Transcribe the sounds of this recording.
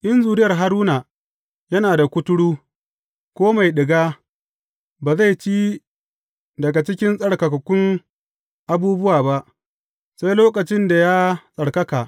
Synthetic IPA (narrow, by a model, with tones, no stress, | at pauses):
ʔɪ˦nzuː˨ɾɪ˦jɐ˨rɦa˦ɾuː˦naː˨ | jɐ˦naː˨da˨kʷʊ˦tʊ˦ɽuː˦ | kʷoː˦ma˨jɗɪ˨ɡaː˦ | baː˨za˦jt͡ʃiː˦ | dɐ˨ɡa˨t͡ʃɪ˦kʲɪ˦nsʼɐ˨ɽkɐ˨kɐ˨kʷʊ˦ŋ | ʔa˨buː˦bʊ˦waː˨ba˦ʔ | sa˦jloː˦kɐ˨t͡ʃɪ˦nda˨jaː˦sʼɐ˨ɽkɐ˦kaː˨ʔ